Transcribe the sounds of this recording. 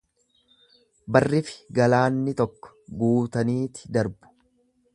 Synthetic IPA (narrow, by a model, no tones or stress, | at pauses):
bɐrːɪfɪ̥ɡɐlaːnːɪt̪ɔkːɔ̥ɡuːt̪ɐniːt̪ɪ̥d̪ɐɾbʊ̥